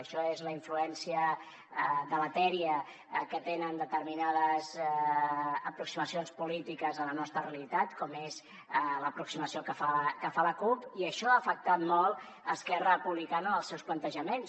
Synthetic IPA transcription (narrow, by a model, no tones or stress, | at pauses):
əʃɔezləiɱfluɛnsiə | ðəmət̪ɛɾiə | kət̪enənd̪ət̪əɾminaðəz | əpɾuksiməsionspulit̪ikəzələnɔst̪ɾəreəlit̪at̪kɔmez | ləpɾuksiməsiokəfakəfaləkupiəʃɔafək̚t̪at̪mɔlˠ | əskɛrəpuβlikanəːlˠsɛwsplənt̪əʒəmens